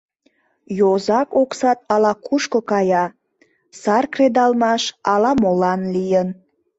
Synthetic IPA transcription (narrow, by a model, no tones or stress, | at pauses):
jozɑkoksɑt̪ɑlɑkʰuʃkokɑjɑ | sɑrkred̪ɑlmɑʃɑlɑmolɑnlijən